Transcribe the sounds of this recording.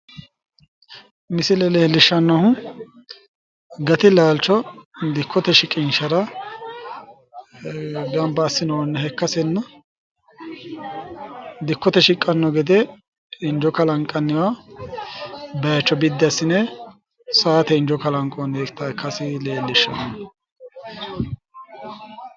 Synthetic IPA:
mɪsɪlɛleːlːɪʃːɐnːɔhʊ | ɡɐt̪ɪlaːlt͡ʃːɔd̪ɪkʰːɔt̪ɛʃɪkʼːɪnʃɐɾɐ | ɡɐmbɐːsːɪnɔnːɛhɛkːɐsɛnːɐ | d̪ɪkːɔt̪ɛʃɪkʼːɐnːɔɡɛd̪ɛ | ɪnd͡ʒɔkɐlɐŋkʼːɐnːɪwa | bɐjɐt͡ʃːɔbɪd̪ːɐsːɪnɛ | saːt̪ɛɪnd͡ʒɔkɐlɐŋkʼɔnekt̪ːɐkːɐsɪleːlːɪʃːɐnɐn

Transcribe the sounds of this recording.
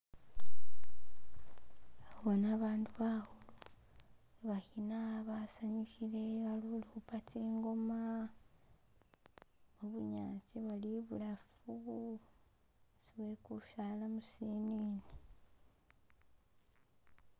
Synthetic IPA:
βonaβaːnduβahulu | βahinaβasaɲukiɾe̞βaluluupatʰiːŋɡo̞ma | oβuɲaːciβaliβulafuu | siβweːkuʃalamusiniːni

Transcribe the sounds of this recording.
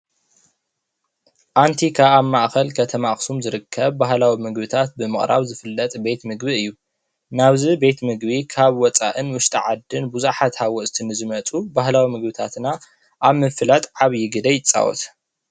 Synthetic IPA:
ʔant̪ʰikʰaβaβmaʔxɐlkʰɐt̪ʰɐmaʔxsumzɨɾɨkʰːɐβbahlawimɨɡbɨt̪ʰat̪̚bɨmɨχʼɾa̰βzɨfɨlːɐt̪ʼbe̞t̪mɨɡbiɨjːu | naβzibe̞t̪mɨɡbikʰaβwɔt͡sʼa̰ʔɨnwʊʃt̪ʼiʕad̪ːɨnbuzaħat̪hawɔʔst̪ʰinɨzɨmɐt͡sʼubahlawimɨɡbɨt̪ʰat̪na | ʔaβmɨfɨlat̪ʼʕaβjɪɡɨd̪ɐjɪt͡sʼːa̰wɔ̰t̪

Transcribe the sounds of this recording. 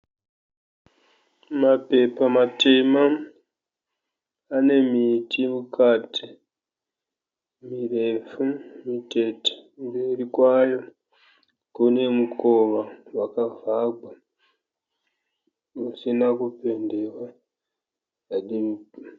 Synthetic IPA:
mape̞pamatema | ne̞mitʰimukati̥ | mire̞fumite̞te̥mberikwajo̞ | kune̞mukʰoʋawakavʱaɡ͡bʱa | kusinakupe̞nde̞wwa | aɗim

